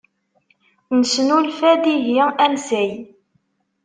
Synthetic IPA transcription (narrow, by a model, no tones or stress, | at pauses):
nəsnulfæd̪iʝiæmsæj